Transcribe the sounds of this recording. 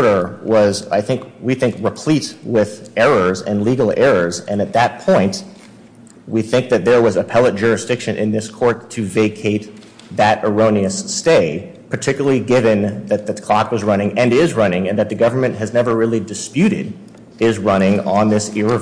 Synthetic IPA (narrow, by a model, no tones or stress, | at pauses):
ɾə˞wʌza̰ɪθɪ̃ŋkwiθɪ̃ŋkɹɨpʰl̥itwɪðɛɹə˞zɨ̰̃nliɡl̩ˠɛɹə˞zɨ̃nɨt̪̚ðɨt̚pʰɔ̃ɪ̃nt | wiθɪ̃ŋk̚ðɨt̪̚ðə˞wʌzɨpʰɛlˠət̚d̥ʒ̥ʊɹɨsd̥ɪkʃɨ̃nʔɪ̰̃nðɪskʰɔɹtʰɨveɪkʰeɪt̪̚ | ðɨɾə˞õʊ̃niɨsteɪ | pʰə˞tʰɪkjl̩ˠəlˠiɡɪvɨ̃nðɨt̪̚ðɨkʰl̥ɑkwʌzɹʌñɪ̃ŋɨ̃nɪzɹʌñɪ̃ŋɨ̃nðɨt̪̚ðɨɡʌvə˞mɨ̃nʔɦɨznɛvə˞ɹɪlˠidɨspjʉɾɪ̰ɾ | ɪzɹʌɾ̃ɪ̃ŋə̃nðɪsɪɹə